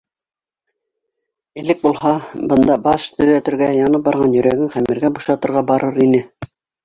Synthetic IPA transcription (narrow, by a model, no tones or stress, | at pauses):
ɘ̆lɘk̚bulˠhɑbɤ̆nd̪ɑbɑʃt̪ɵ̆ðæt̪ɘ̆ɾɡæjɑnɤp̚bɑɾʁɑnjɵ̆ɾæɡɘŋχæmĭɾɡæbuʃɑt̪ɤ̆ɾʁɑbɑɾɤɾinɘ